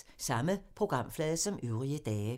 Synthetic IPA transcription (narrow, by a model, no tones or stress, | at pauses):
sɑ̈məpʰʁoɡ̥ʁɑ̈m̰flɛːðˠəsɒ̽møʊʁiəd̥ɛːə